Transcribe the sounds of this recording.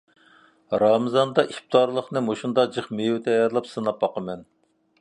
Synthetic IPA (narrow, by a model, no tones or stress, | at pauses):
ɾɑmɨzɑnd̪ɑʔip̚t̪ɑɾlˠəχnɨmoʃund̪ɑd͡ʒɨχmejut̪ʰɛjɑɾlˠɑpsɨnɑp̚bɑqəmɛn